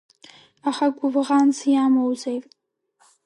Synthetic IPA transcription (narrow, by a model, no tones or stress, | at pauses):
aχaɡʷʊvʁant͡sʰjamowzejtʼ